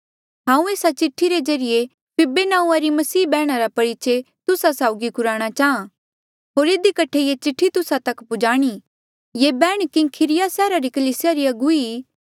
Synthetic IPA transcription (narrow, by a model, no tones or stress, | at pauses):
ɦãːũeːsat͡ʃɪʈʰːiɾed͡ʒɐɾɪje | pɪbenaːũaɾimɐsiːbɛːɽ̃aɾapɐɽɪt͡ʃe | t̪ʊsasaːʊɡikʊɾaːɽ̃at͡ʃaːã | ɦoːɾɪd̪ikɐʈʰejet͡ʃɪʈʰːit̪ʊsat̪ɐkpʊd͡ʒaːɽ̃i | jeːbɛːɽ̃kɪkʰɪɾɪjasɛːɾaɾikɐliːsɪjaɾiɐɡuiː